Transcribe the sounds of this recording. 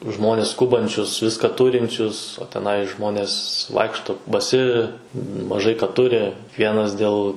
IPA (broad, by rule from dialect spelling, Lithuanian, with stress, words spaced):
ˈʒmoːnʲɛs ˈskʊbɐnʲt͡ʃʲʊs ˈʋʲɪskɑː ˈtʊrʲɪnʲt͡ʃʲʊs oː tʲɛˈnɐɪ ˈʒmoːnʲeːs ˈʋɐɪkʃtoː bɐˈsʲɪ mɐˈʒɐɪ kɐ ˈtʊrʲɪ ˈkʋʲiɛnɐs dʲeːlˠ